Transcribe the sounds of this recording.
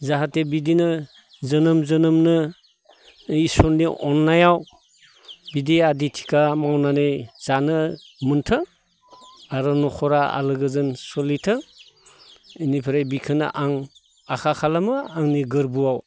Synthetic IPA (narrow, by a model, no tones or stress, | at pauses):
zaɦatebidinɯ | zənɯmzɯnɯmnɯ | isɔnːiʔɔnːajaw | bidiaditʰi̥kamawnanez̥anɯ | mɯntʰɯ | aɾɔnɔkʰɔɾaa̰lɯɡɯzɯnsɔlitʰɯ | inipʰiɾajbikʰɯna̰ʔaŋ | akʰakʰalamɯaŋniɡɯɾbuaw